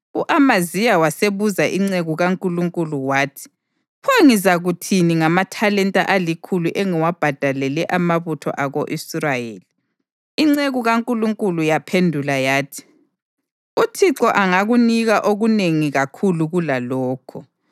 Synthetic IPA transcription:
uʔamazijawaseβuzaʔiŋ͡ǀeɣuɣaŋkʼuluŋkʼuluwaːtʰi̥ | pʰaŋizaɣutʰiniŋamatʰalɛntʼa̰ʔalikʰuluʔeŋiwab̥ʱad̥ʱalɛlɛʔamaβutʰɔ̰ʔaɣoʔisrajeːli | iŋ͡ǀeɣuɣaŋkʼuluŋkʼulujapʰendʱulajaːtʰi̥ | utʰiǁɔʔaŋaɣuniɣaʔoɣuneŋiɣakʰuluɣulalɔːkʰɔ

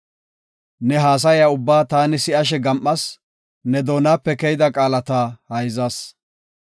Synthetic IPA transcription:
nɛɦaːs̬ɐjaːʊbːaːt̪aːnɪsɪʔɐʃ̬ɛɡɐmʔːɐs | nɛd̪oːnaːpːɛkɛjd̪ɐkʼaːlɐt̪aːhɐjzɐs

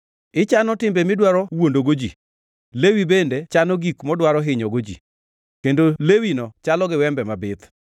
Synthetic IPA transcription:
ɪt͡ʃanɔtɪmbemɪdwaɾɔwondoɡod͡ʒi | lewibendet͡ʃanɔɡikmɔdwaɾɔɦɪɲɔɡod͡ʒḭ | kendolewinɔt͡ʃalɔɡɪwɛmbɛmabɪt̪

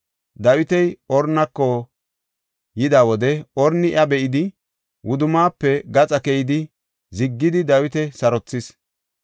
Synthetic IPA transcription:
d̪ɐwɪt̪ɛjɔɾnːɐkːɔ | jɪd̪awɔd̪ɛɔɾnɪʔɐbɛʔɪd̪ɪ | wʊd̪ʊmaːpːɛɡɐt͡sʼɐkɛjɪd̪ɪ | zɪɡːɪd̪ɪd̪ɐwɪt̪ɛsɐɾɔt͡sːɪs

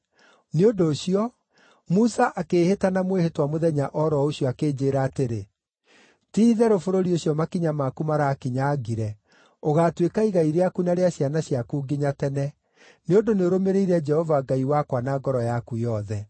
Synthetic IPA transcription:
neondoːɕiɔ | musaʔakeːhetanamwehetwamoðɛɲaʔɔɾɔoɕiɔakeːd͡ʑeːɾaːteɾe | tiːðɛɾofoɾoɾioɕjɔmakiɲamakumaɾaːkiɲaːɡiɾɛ | oɣaːtwekaiɣaiɾeakunaɾeaɕjanaɕjakuːɡiɲatɛnɛ | neondoneoɾomeɾeiɾɛd͡ʒɛhɔvaɡaiwakwanaːɡɔɾɔjakujɔðɛ

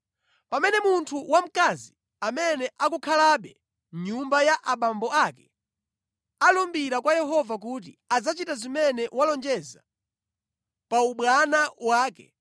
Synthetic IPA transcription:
pamɛnɛmuntʰuwam̩kazi | amɛnɛʔakukʰalaɓɛ | ɲumbajaʔaɓambɔakɛ̥ | alumbiɾakwajɛɦɔvak̬ut̬ḭad͡zat͡ʃitazimɛnɛwalɔnd͡ʒɛza | pauɓwanawaːkɛ̰

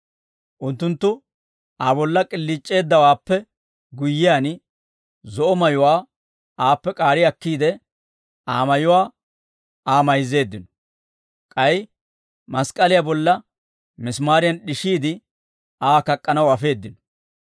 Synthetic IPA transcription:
ʔʊnt̪ːʊnt̪ːʊ | aːbɔlːɐkʼɪlːit͡ʃʼːe̞ːd̪ːɐwaːpːɛ | ɡʊjːɪjan | zɔʔɔmɐjʊwaː | aːpːɛkʼaːɾɪɐkːiːd̪ɛ | aːmɐjʊwaː | aːmɐjze̞ːd̪ːɪnɔ̥ | kʼɐj | mɐskʼɐlɪjabɔlːɐ | mɪsmaːɾɪjɐnɗɪʃiːd̪ɪ | aːkɐkʼːɐnɐwɐfe̞ːd̪ːɪnɔ̥

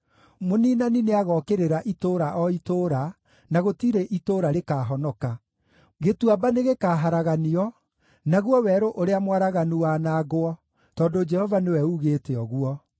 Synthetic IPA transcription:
moniːnanineaɣɔkeɾeɾaʔitoɾaʔɔitoːɾa | naɣotiɾeʔitoːɾaɾekaːɦɔnɔka | ɣetwabaneɣekaːɦaɾaɣaniɔ | naɣwɔwɛɾoʔoɾeamwaɾaɣanuwaːnaɣoɔ | tɔdod͡ʒɛhɔvanewɛuɣeːteɔɣwɔ

